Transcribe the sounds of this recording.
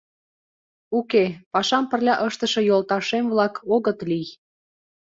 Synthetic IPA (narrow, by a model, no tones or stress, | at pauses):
ukepɑʃɑmpə̆rlʲɑʔəʃt̪əʃɤ̆jolt̪ɑʃemvlɑkoɣət̪lij